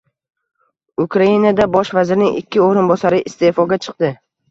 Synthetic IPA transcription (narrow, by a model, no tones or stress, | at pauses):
ʊkʰɾainad̪abɒʃvazɪɾnɪŋɪ̰kʲːɪoɾɪnbɒsaɾɪʔɪst̪e̞fɒɡʲat͡ʃʰɨ̥qd̪ɪ